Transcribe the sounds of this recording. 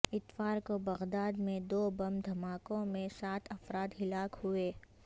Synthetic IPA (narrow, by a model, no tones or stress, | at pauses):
ɪt̪faːɾkobɐɣd̪aːd̪mẽd̪oːbɐmd̪ʱɐmaːkõmẽsaːt̪ʰɐfɾaːd̪ɦɪlaːkhueː